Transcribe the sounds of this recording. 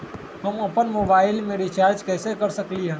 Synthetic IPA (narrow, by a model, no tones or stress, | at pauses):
ɦɐmɐpənmoːbaːɪlmeɾit͡ʃaːɾd͡ʒkɛːsekɐɾsɐkliɦɛ̃ː